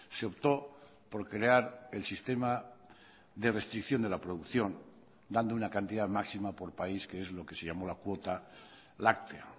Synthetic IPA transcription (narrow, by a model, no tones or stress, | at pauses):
seo̞pt̪o̞ | po̞ɾkɾe̞aɾe̞lsist̪e̞ma | ðe̞re̞st̪ɾikθjo̞nd̪e̞lapɾoðukθjo̞n | d̪and̪ounakant̪iðamaksimapo̞ɾpaiskeezlo̞ke̞seʝamo̞lakwot̪a | lak̚t̪e